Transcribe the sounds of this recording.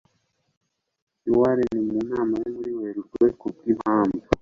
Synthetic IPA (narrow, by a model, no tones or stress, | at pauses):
iwaɾenimunaːmanemuɾiweɾutwekukimaːmbu